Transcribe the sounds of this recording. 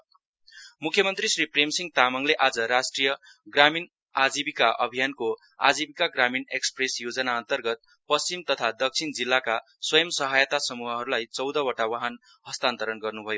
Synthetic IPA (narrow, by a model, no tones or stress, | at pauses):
mukʰjʌmʌnt̪risripremsiŋɡt̪amʌŋleʔad͡zʌɾasʈrijʌ | ɡramin | ad͡zibikaʔʌ̰bʱijanko | a̰d͡zibikaɡraminekspresjod͡zʌnaʌnt̪ʌrɡʌt̪̚ | pʌst͡simt̪ʌt̪ʰad̪ʌk̚t͡sʰind͡zilːaka | swʌjʌmsʌɦajʌt̪asʌmuɦʌɦʌɾulajt͡sʌwd̪ʌwʌʈawaɦan | hʌst̪ant̪ʌɾʌnɡʌrnubʱʌjo